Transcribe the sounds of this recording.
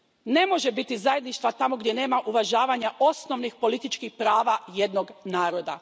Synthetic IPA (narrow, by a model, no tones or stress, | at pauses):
ne̞mo̞ʒebit̪izaje̞d̪niʃt̪ʋat̪amoɡd̪ʲjene̞ːmaʔuʋaʒaːʋaɲaʔo̞sno̞ʋnixpo̞lit̪it͡ʃkixpɾaːʋajed̪noɡnaːɾo̞d̪a̰